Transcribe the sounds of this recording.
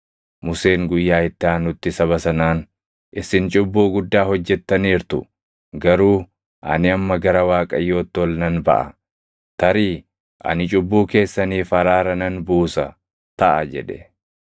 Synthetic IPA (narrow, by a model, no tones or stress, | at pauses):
mʊse̞ːŋɡʊjːaːɪt̪ːɪaːnʊt̪ːɪsɐβɐsɐnaːn | ʔɪsɪnt͡ʃʼʊbːuːɡʊd̪ːaːhɔd͡ʒːɛt̪ːɐniːɾt̪ʊ̰ | ɡɐɾuː | ʔɐ̰nɪɐmːɐɡɐɾɐwaːkʼɐjːo̞ːt̪ːɪɔlnɐnbɐ̰ʔɐ̰ | t̪ɐɾiː | ʔɐ̰nɪt͡ʃʼʊbːuːke̞ːsːɐniːfɐɾaːɾɐnɐnbuːsɐ | t̪ɐʔɐd͡ʒɛ̰ᶑɛ̥